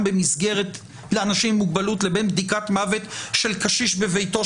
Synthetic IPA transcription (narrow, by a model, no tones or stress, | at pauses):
mbemisɡeʁet̪ | leanaʃimːuɡ̚balutlebenbd̪ikatmavet̪ʃelkaʃiʃbevejto̞